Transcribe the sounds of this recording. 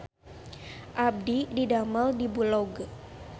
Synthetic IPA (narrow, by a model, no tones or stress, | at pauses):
ʔab̚dididaməldibulɔɡ